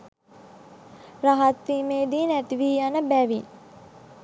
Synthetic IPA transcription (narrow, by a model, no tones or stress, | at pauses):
raɦat̪ʋiːmeːd̪iːnæt̪iʋiːanəbæʋin